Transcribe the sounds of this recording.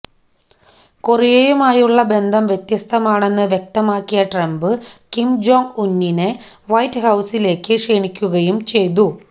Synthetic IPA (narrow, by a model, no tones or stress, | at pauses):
kurijejumaːjuɭːɐbe̞nd̪ʱɐmʋjet̪jɐst̪ʰɐmaːɳe̞nːɨʋjek̚t̪ɐmaːkːijɐʈrɐmbɨkimd͡ʑoːŋunːinɨ | ʋɐjtːɨhɐwsile̞ːkːɨʂeːɳikʲːuɣɐjumt͡ɕe̞jt̪̬u